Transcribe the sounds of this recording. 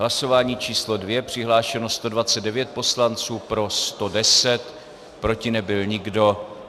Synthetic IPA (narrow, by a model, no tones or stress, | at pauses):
laso̞vaːɲiːt͡ʃiːslo̞dvjɛpr̥ɪɦlaːʃɛno̞st̪o̞dvat͡sɛd̪dɛvjɛt̪̚po̞slant͡suːpɾo̞st̪o̞dɛsɛt̪ | pɾo̞cɪnɛbɪlɲɪɡdo̞